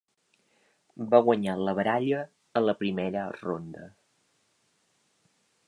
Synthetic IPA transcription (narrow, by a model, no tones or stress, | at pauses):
baɣwəɲaləβəɾaʎəː | ləpɾimeɾəro̰nd̪ə